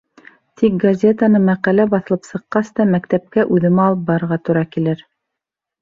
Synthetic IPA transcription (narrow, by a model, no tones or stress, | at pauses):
t̪ʰik̚ɡɐzʲet̪ənɤmæqælæbɑθɤ̆lˠɤpsɤ̆qːɑst̪ɑmækt̪æp̚kæʔʉðɘ̆mæɑlˠɤp̚bɑɾɤɾʁɑt̪uɾɑkilɘɾ